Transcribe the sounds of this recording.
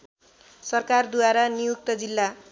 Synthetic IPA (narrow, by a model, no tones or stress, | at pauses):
sʌrkard̪uwaɾanijuk̚t̪ʌd͡zilːa